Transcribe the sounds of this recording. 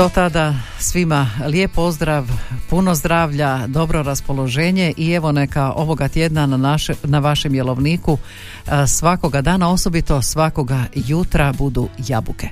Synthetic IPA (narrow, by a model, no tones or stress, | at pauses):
d̪ot̪ad̪a | sʋimalje̞po̞zd̪ɾaʋpunozd̪ɾaːʋʎad̪o̞bɾo̞ɾaspo̞lˠo̞ʒe̞ːɲe̞ʔie̞ʋo̞ne̞kaʔo̞ʋo̞ɡat̪je̞d̪naanaʋaʃemjelo̞ʋniːku | sʋako̞ɡad̪aːnao̞so̞bit̪o̞sʋako̞ɡajut̪ɾabud̪ujabuke